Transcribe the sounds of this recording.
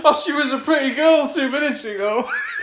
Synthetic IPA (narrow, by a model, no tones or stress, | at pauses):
ʌʃiwɒzəpʰɹ̥ɪtiɡɜːlˠtʰʉːmɪnɪtsjəɡoʊ